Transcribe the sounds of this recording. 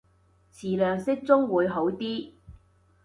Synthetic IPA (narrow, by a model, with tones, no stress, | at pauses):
t͡sʰiː˨˩lœː˨˩ŋsɪ˥k̚t͡sʊ˥ŋwuː˨˧jɦo˨˥wt̪iː˥